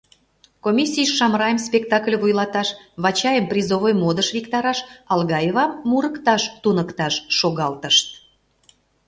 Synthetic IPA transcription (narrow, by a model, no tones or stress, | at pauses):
komʲisʲijʃːɑmɾɑjəmspʲekt̪ɑklʲvujlɑt̪ɑʃβɑt͡ɕɑjəmprʲizovojmod̪əʃβʲikt̪ɑɾɑʃɑlɣɑjevɑmːuɾəkt̪ɑʃt̪unəkt̪ɑʃːoɣɑlt̪əʃt̪̚